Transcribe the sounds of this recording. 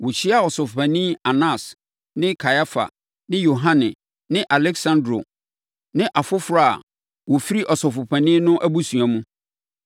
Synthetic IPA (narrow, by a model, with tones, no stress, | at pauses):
wo˨t͡ɕʰi˦a˨ɔ˨sɔ˨fʊ˨pʰæ̃˨nĩː˦a˨nã˦˨s | nɪ̃˦kʰa˨ja˦fa̰˨ | nɪ̃˦jo˨ɦã˦nɪ̃˨ | nɪ̃˦ʔa˨lɛ˦ksã˦ndɾo̰˨ | nɪ̃˦ʔa˨fʊ˦fɾa˦a̰˨ | wɔ˨fi˦ɾi˦ʔɔ˨sɔ˨fʊ˨pʰæ̃˨nĩ˦nʊ̃˦ʔæ˦bu˦sũ˨a˨mũ˦